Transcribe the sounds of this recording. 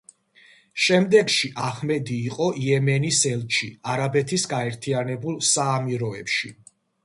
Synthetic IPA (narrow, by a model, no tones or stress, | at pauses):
ʃɛmd̪ɛɡʃiʔaχmɛd̪iːqʼɔʔiɛmɛnisɛlˠt͡ʃʰiaɾabɛt̪ʰisɡaɛɾt̪ʰianɛbulˠsaːmiɾɔɛpʃi